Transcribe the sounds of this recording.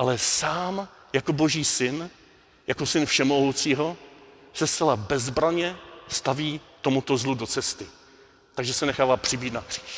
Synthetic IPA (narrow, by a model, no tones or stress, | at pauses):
ʔalɛsaːm | jako̞bo̞ʒiːsɪn | jako̞sɪnfʃɛmoɦowt͡siːɦo̞ | sɛst͡sɛlabɛzbɾaɲɛst̪aviːt̪o̞mut̪o̞zludo̞t͡sɛst̪ɪ | t̪aɡʒɛsɛnɛxaːvaːpr̥ɪbiːt̪nakr̥iːʃ